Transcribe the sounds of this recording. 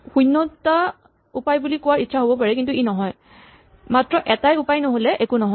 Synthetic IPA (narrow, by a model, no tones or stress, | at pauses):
xujnːɔta | upajbulikʊwaɹitːʃʰaɦobɔpaɹɛkintuinɔɦɔj | matɹɔʔɛtajupajnoɦolɛʔekunɔɦɔ